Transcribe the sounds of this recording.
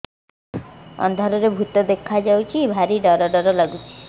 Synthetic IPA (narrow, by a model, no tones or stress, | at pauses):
ɔ̰nd̪ʱɔɾɔɾebʱut̪od̪ekʰad͡ʒawt͡ʃʰibʱaɾiɖɔɾɔɖɔɾɔlaɡut͡ʃʰi̥